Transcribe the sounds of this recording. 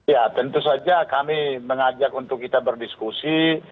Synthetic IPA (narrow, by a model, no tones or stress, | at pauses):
jat̪ənt̪usad͡ʒakamiməŋad͡ʒakunt̪ʊkːit̪abərdiskusi